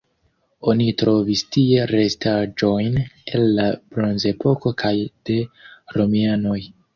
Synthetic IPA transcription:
o̞nitɾo̞vistie̞ɾe̞stad͡ʒo̞jne̞lːab̥ɾo̞nze̞po̞ko̞kʰajd̥e̞ɾo̞miano̞j

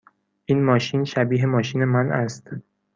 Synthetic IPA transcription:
ʔiːnmɒːʃiːnʃæbiːɦemɒːʃiːne̞mænʔæst̪

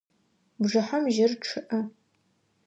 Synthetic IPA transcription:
bʐɨħamʒɪrʈ͡ʂʰɨʔɐ

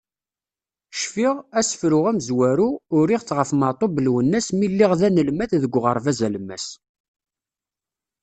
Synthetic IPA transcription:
ʃfiʁæsə̥fɾʊʁæmzwæɾuʊɾiʁθʁəfmət̪ˤobəlwənːæsmilːiʁðænəlmæθðəɡʷːʁəɾˤvæzæləmːæ̰s

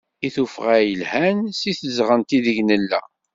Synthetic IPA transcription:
iθufʁæjəlhænsiθəzʁənt̪iðəʝnəlːæ̰

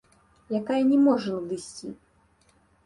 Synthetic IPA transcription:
jakajɐnʲɛmɔʐɐnud̪ɨsʲt͡sʲḭ

